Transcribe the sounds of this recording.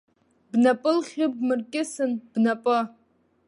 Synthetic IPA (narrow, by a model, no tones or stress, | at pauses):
bnapʼɨlχʲɪb̚mɨrkʲʼɪsɨnb̥napʼɨ